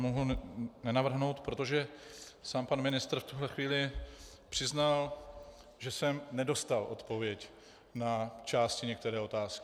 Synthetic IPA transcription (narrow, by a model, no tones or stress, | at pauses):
moɦunɛnavr̩ɦno̞wt̪pɾo̞t̪o̞ʒɛsaːmpanmɪnɪst̪ɾ̩ft̪uɦlɛxviːlɪ | pr̝̥ɪznal | ʒɛsɛmnɛdo̞st̪alʔo̞̰t̪po̞vjɛc | nat͡ʃaːscɪɲɛk̚t̪ɛɾɛːo̞t̪aːskɪ̥